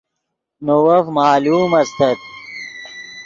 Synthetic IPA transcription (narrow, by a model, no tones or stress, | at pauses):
nowɐfmaːluːmɐst̪ʰɐt̪̚